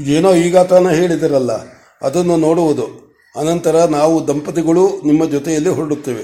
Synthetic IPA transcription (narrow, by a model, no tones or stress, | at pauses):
id̪eːnoːiːɡaːt̪ɐnɐɦe̞ːɭid̪ɐɾɐlːɐ̰ | ɐ̰d̪ɐnːuno̞ːɽuʋud̪u | ɐnɐnt̪ɐɾɐnaːʋud̪ɐmpɐt̪iɡɐɭunimːɐd͡ʒɔt̪ɛjɐlːiɦɔɾɐɽut̪ːeːʋe